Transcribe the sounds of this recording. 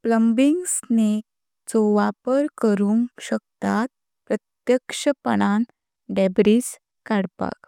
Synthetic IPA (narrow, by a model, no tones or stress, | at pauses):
pləmbiŋɡsnek̚ | t͡sɔʋapəɾkəɾuŋɕək̚t̪at̪̚ | pɾət̪jəkʂəpə̰ɳan | ɖebɾis | kaɽpa̰k